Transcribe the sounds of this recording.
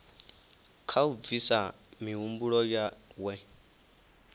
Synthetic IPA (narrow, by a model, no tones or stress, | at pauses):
kʰauvisa | miumbuɺɔjawɛ